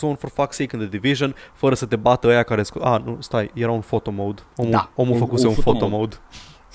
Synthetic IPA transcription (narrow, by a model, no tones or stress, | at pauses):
sonforfaksekɨnd̪əd̪iviʒənfəɾəsət̪e̞bat̪əəjakaɾeskuanust̪ajjeɾaunfo̞t̪o̞mowd̪omuomufəkuseunfot̪omowd̪